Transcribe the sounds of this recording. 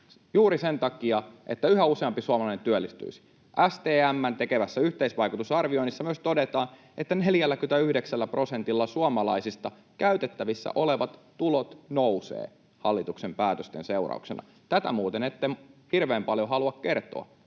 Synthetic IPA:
juːɾisent̪ɑkiɑʔet̪ːæyɦæuseɑmpisuɑmɑlɑinent̪yølːist̪y̰isi̥ | ʔæst̪eːæmːænt̪e̞keʋæsːæyht̪eisʋɑjkut̪usɑrʋioinisːɑmyøst̪o̞det̪ɑːn | et̪ːæne̞ljælːækyt̪æyhdeksælːæpro̞sent̪ilːɑsuɑmɑlɑisist̪ɑ | kæyt̪et̪ːæʋisːæ̰ʔo̞leʋɑt̪ːulot̪nouwsḛː | hɑlːit̪uksempæːt̪øst̪enseurɑ̰ṵksḛnɑ̰ | t̪æt̪æ̰muːt̪enet̪ːemhirʋeːmpɑljoɦɑluɑkke̞rt̪o̰ɑ̰

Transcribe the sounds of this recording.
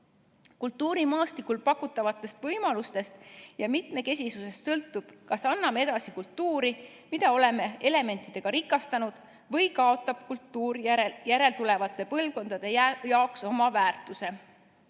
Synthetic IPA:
kult̪ˑːuːɾimɑːst̪ikulpɑkːˑut̪ːˑɑvɑt̪ˑːe̞st̪vɤjmɑlust̪e̞st̪jɑmit̪me̞ke̞s̬ʲisuse̞st̪sɤlt̪ːˑub̥kɑsɑnːɑmee̞d̪̥ɑsikult̪ːuːɾi | mid̪̥ɑo̞le̞me̞e̞le̞me̞nt̪ːˑid̪̥e̞ɡ̥ɑɾikːˑɑst̪ɑnud̪̥ | vɤ̞jkɑo̞t̪ːˑɑb̥̚kult̪ːˑuːɾjæɾe̞lt̪ule̞vɑt̪ˑːe̞pɤlvko̞nd̪̥ɑd̪̥e̞jjɑokso̞mɑvæːrt̪ːˑuse̞

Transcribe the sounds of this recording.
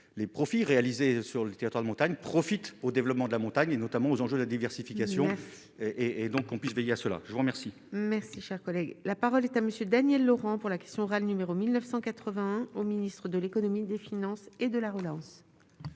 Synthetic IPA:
lepχɔfiʁealizesyʁlət̪eʁit̪waʁd̪əmɔ̃t̪aɲpχɔfit̪od̪evlɔpmɑ̃d̪əlamɔ̃t̪aɲenɔt̪amɑ̃ozɑ̃ʒød̪əlad̪ivɛʁsifikasjɔ̃ | eːd̪ɔ̃kːɔ̃pɥisvejeasəla̰ʒəvuʁəmɛʁsi | mɛʁsiʃɛʁkɔlɛɡlapaʁɔlɛt̪aməsjød̪anjɛlːɔʁɑ̃puʁlakʲɛ̥st̪jɔ̃ɔʁalnymeʁomilnœfsɑ̃kat̪χəvɛ̃ɛ̃ominist̪χəd̪əlekɔnɔmid̪efinɑ̃sed̪əlaʁəlɑ̃s

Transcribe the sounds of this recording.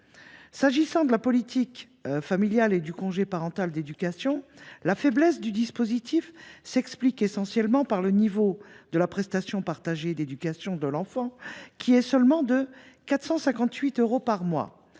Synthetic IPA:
saʒisɑ̃d̪əlapɔlit̪ʰik | familjaled̪ykɔ̃ʒepaʁɑ̃t̪ald̪ed̪ykasjɔ̃lafɛblɛsd̪yd̪ispozit̪ʰifsɛksplikesɑ̃sjɛlmɑ̃paʁlənivod̪̥əlapχɛst̪asjɔ̃paʁt̪aʒed̪ed̪ykasjɔ̃d̪əlɑ̃fɑ̃kʲʰiɛsœlmɑ̃d̪ə | kat̪χsɑ̃sɛ̃kɑ̃t̪ɥit̪øʁopaʁmwa̰

